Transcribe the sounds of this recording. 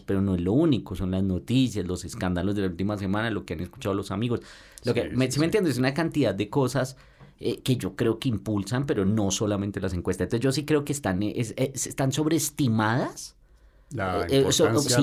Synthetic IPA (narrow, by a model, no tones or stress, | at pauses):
pe̞ɾo̞no̞e̞zlo̞uniko̞so̞nlazno̞t̪isjazlo̞se̞skand̪alo̞zd̪elault̪imas̬e̞mãnalo̞keane̞sku̥t͡ʃaðolosamiɣo̞s | lokemesiment̪jend̪oesunakant̪iðaðd̪eko̞sas | eke̞ʝo̞kɾe̞o̞keimpulsampe̞ɾo̞no̞so̞lamẽnt̪e̞las̬e̞ŋkwest̪aent̪oed͡ʒos̬ikɾeokest̪anesesest̪anso̞βɾeːst̪imaðas | so